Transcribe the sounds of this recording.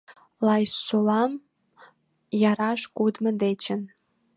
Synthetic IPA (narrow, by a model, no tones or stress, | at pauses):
lɑjsolɑm | jɑɾɑʃkud̪mə̆d̪et͡ɕən